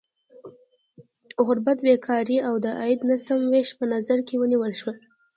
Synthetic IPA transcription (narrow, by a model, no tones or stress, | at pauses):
ɣʊɾbat̪̚bekʰɑɾiawd̪əʔajɪd̪nasamweʃpənazaɾkewəniwəlʃwəl